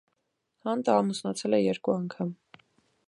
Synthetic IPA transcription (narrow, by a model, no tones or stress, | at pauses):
hɑnd̪əɑmusnɑt͡sʰɛlɛjɛɾkuɑŋkʰɑm